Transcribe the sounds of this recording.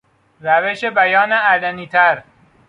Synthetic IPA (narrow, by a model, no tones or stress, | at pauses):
ɾæveʃebæjɒːneæd̪æniːt̪ʰæɾ